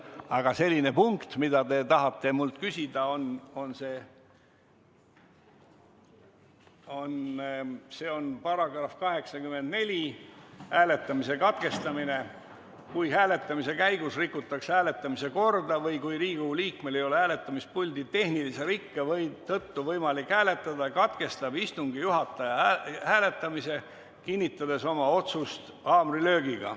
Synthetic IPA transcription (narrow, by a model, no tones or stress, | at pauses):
ɑɡ̥ɑse̞lʲːinepuŋkt̪mid̪̥ɑt̪e̞t̪ɑɦɑt̪ːe̞mult̪kysʲid̪̥ɑo̞no̞nse̞ː | o̞n | se̞ːo̞npɑɾɑɡ̥rɑfkɑɦe̞ksɑkyme̞nd̪̥ne̞lʲihæːle̞t̪ːˑɑmise̞kɑt̪ke̞st̪ɑmine̞ | kujɦæːle̞t̪ːˑɑmise̞kæjɡ̥usrikːˑut̪ːˑɑkshæːle̞t̪ːˑɑmise̞ko̞rd̪ɑvɤjkujɾiːɡ̥uliːkme̞le̞jo̞lehæːle̞t̪ːˑɑmis̚pulʲd̪̥it̪e̞hnilise̞ɾikːevɤjt̪ɤt̪ːuvɤjmɑlikhæːle̞t̪ˑːɑd̪̥ɑkɑt̪ke̞st̪ɑbist̪uŋɡijuɦɑt̪ːˑɑjɑhæːle̞t̪ˑːɑmise̞ | kinʲːit̪ːˑɑd̪e̞so̞mɑo̞t̪sust̪ | ɑːmrilø̞ːɡiɡ̥ɑ̰